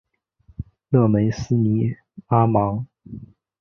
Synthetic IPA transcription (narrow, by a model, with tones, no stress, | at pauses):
lɤ˥˩me˧˥ɪsɹ̩˥ni˧˥ | a˥mɑ˧˥ŋ